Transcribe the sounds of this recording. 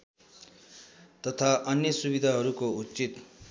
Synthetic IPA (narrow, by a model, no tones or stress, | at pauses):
t̪ʌt̪ʰaʔʌnjʌsubid̪ʱaɦʌɾukout͡sit̪